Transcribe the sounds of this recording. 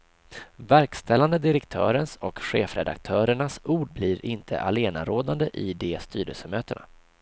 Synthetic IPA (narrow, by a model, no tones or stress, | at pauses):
væɾkst̪ɛlːand̪əd̪ɪɾɛkt̪ʰœːɾənsɔkɧeːfɾɛd̪a̰k̚t̪ʰœːɾəɳasuːɖbliɾɪnt̪ʰə̰ʔaleːna̰ɾoːd̪and̪əʔɪd̪ɛːst̪yːɾə̰lsəmøːt̪əɳa̰